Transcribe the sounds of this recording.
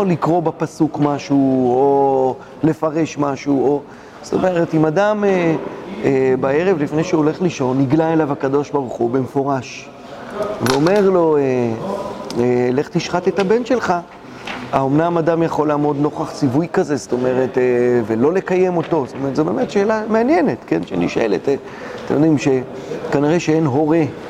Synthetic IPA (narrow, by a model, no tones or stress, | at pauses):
olikʁo̞bapasukmaʃuo | le̞faʁe̞ʃmaʃuo | st̪o̞me̞ʁetimadame | ebae̞ʁe̞vlifnejʃeole̞χliʃo̞nːiɡlaelavhakado̞ʃbaʁuχube̞mefo̞ʁaʃ | veo̞me̞ʁlo̞e | ele̞χt̪iʃχat̪e̞tabe̞nʃe̞lχa | aomnamadamjaχo̞laːmo̞d̪no̞χaχt͡sivujkazest̪o̞me̞ʁe̞tevelo̞le̞kaje̞mo̞to̞stomeetzo̞be̞ːmetʃe̞ːlameanjene̞tke̞nʃḛniʃʔḛlḛte | t̪emjod̪imʃe̞ | kaniʁeʃeenɦo̞ʁe